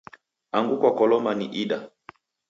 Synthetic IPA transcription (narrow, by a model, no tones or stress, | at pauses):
aŋɡukwakɔlɔmaniʔiɗa